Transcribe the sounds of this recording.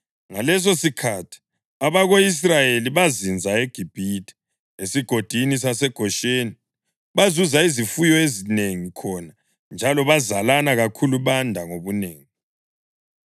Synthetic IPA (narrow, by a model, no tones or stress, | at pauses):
ŋalɛs̬osikʰatʰi̥ | aβaɣois̬rajeliβazind͡zʱaeɡ̥ʱib̥ʱitʰʼɛ̥ | esiɡ̥ʱod̥ʱinis̬asɛɡ̥ʱɔʃeːni | βazuzaizifujɔezineŋikʰɔna | nd͡ʒʱalɔβazalanaɣakʰuluβandʱaŋoβuneːŋi